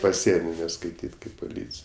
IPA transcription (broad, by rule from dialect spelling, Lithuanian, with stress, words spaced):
pɐˈsʲiɛnʲoː nʲɛskɐɪˈtʲiːtʲ ˈkɐɪp pʊˈlʲiːt͡sʲɪj